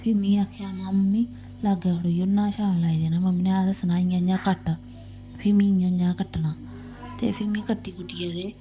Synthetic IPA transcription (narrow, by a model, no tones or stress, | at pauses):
pʰɪmĩːaːkʰeaːnaːmːĩː | laːɡaːɽoːjonːãːʃaːnlaːiːd̪eːnaːməmnẽaːd̪sənaːijãːd͡ʒãːkəʈː | pʰɪmĩːjãːd͡ʒãːkəʈːnãː | t̪ḛːpʰɪmĩːkəʈːiːkʊʈːijaːd̪eː